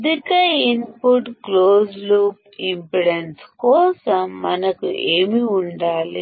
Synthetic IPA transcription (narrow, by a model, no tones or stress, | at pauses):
d̪ikɐinpuʈkloːsluːp | impiɽenskɔːsɐmːɐnɐkuʔeːmiuɳɖaːli